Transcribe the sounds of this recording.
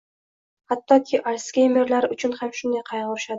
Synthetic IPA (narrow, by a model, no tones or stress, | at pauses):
hat̪ːɒkʲʰɪʔalskʲejme̞ɾlaɾʊt͡ʃʰʊnhamʃʊnd̪ajqʰɑjʁʊɾɪʃad̪ɪ